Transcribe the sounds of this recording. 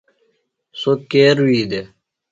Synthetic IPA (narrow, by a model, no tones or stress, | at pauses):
sokeːɾwiːd̪e